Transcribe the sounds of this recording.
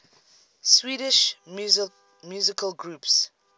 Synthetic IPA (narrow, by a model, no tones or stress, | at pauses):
swiːɾɪʃ | mjuzɪkʰəlɡɹups